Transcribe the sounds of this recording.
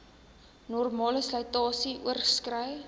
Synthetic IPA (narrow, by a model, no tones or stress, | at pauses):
nɔrmɑːləslɐjtɑːsiʔuərskrəj